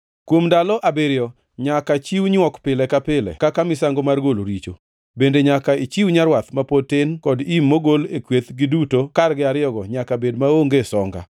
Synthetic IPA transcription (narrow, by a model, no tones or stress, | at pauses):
kwomdalɔʔabeɾjɔ | ɲakat͡ʃiwɲɔkpɪlɛkapɪlɛ̰kakamɪsaŋɡomarɡoloɾit͡ʃo | bendeɲakait͡ʃiwɲaɾwat̪mapotɪnkɔdimːoɡolekwet̪ɡɪdutokarɡɪaɾɪɔɡɔɲakabedmaoŋɡesɔŋɡa̰